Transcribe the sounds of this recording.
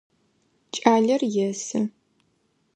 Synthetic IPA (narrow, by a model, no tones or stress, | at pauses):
t͡ʃʼaːɮɐrjɛsɨ